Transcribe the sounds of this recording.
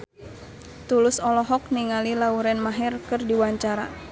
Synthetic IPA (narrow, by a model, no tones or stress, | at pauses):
t̪ulʊsɔlɔɦɔk̚niŋalilauɾɛnmaɦɛrkɨrdiwaɲt͡ʃaɾa̰